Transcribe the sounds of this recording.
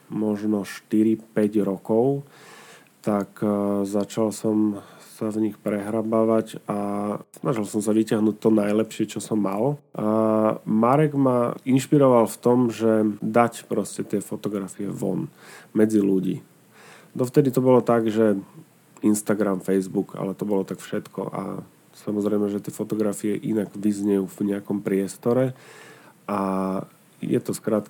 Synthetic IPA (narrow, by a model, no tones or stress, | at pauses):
mɔʒnɔʃt̪iɾipɛɟɾɔkɔʊ | t̪akzat͡ʃalsɔmsavɲixpɾɛɦɾabaʋacasnaʒilsɔmsaʋicaɦnuːc̚t̪ɔnajlɛpʃɪɛt͡ʃɔsɔmːal | maɾɛɡmainʃpiɾɔʋalft̪ɔmʒɛd̪acpɾɔscɛt̪ɪɛfɔt̪ɔɡɾafiɛ̰ʋɔ̰nmɛd͡ziluɟḭː | d̪ɔft̪ɛd̪it̪ɔbɔlɔt̪aɡʒɛ | inst̪aɡɾamfɛjzbuka̰lɛt̪ɔbɔlɔt̪akfʃɛt̪kʰɔ̰ʔa̰ | samɔzɾɛjmɛʒɛt̪ɪɛfɔt̪ɔɡɾafiɛʔinaɡʋizɲɛjuːvɲɛakɔmpɾɪɛst̪ɔɾɛ | a | jɛ̰t̪ɔskɾat̪